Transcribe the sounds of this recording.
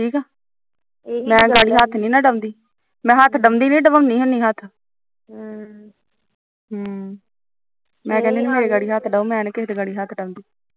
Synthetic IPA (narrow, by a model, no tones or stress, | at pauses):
ʈʰiːkɛː | mɛ̃ːɡaːɽiːɦaːt̪ʰnĩːnaːɖəmd̪iː | mɛ̃ːɦaːt̪ʰɖəmd̪iːnĩːɖəbəmnĩːɦʊniːɦat̪ʰ | ɦə | mɛ̃ːkɛ̃ːnd̪eːneːmeːɾeːɡaːɽiːɦaːt̪ʰɖəõːmɛ̃ːnːket̪eːɡaːɽiːɦaːt̪ʰɖəmd̪iː